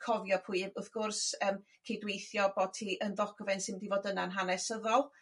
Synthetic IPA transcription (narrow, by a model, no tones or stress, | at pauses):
kʰɔvjɔpʰʊɨvʊθɡ̥ʊrsəːm | kʰejdwejθjɔbɔtʰiʔənðɔɡɔvɛnsɪnmədivoːdənaənɦanɛsəðɔlˠ